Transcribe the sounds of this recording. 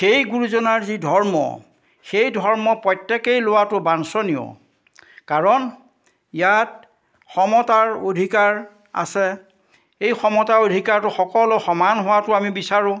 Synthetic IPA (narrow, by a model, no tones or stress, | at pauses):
xejɡuɹuzɔnaɹzidʱɔɹmɔ̰ | xejdʱɔɹmɔpɹɔjtːekejlowatʊbansɔnijɔ̰ | kaɹɔn | jat̚ | xɔmɔtaɹodʱikaɹ | a̰sɛ | ejxɔmɔtaodʱikaɹtʊxɔkɔlʊxɔmanɦʊwatʊamibisaɹʊ̃